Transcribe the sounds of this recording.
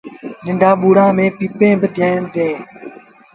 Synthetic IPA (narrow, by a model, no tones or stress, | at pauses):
nɪɳɖʱaːɓuːɽãːmẽːpiːpẽːbəd̪ʱẽːnd̪eː